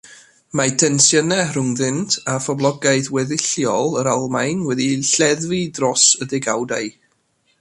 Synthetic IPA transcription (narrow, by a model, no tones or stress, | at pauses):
matʰɛnsjənɛrʊŋðɪntʰafɔblˠɔɡaɨðwɛðɪɬjɔlˠəɾalˠmajnwɛdiɬɛðvidrɔsədɪɡawdaj